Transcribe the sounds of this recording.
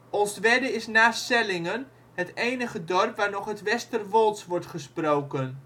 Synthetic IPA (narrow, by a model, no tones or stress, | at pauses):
ʔolˠstʋɛdəɪsnaːsɛlɪŋən | ɦətejnəχədɔrpʋaːɹnɔχɦətʋɛstərʋɔlˠtsʋɔɹtχəsprowkən